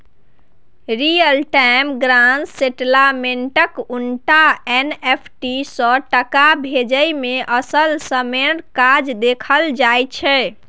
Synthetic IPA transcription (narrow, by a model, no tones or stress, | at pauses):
ɾijəlʈajmɡɾanseʈlameɳʈəkuɳʈaenepʰʈisə̃ʈəkabʱed͡ʒəjmeʔəsəlsəmeɽkad͡ʒd̪ekʰəld͡ʒajt͡ʃʰɛ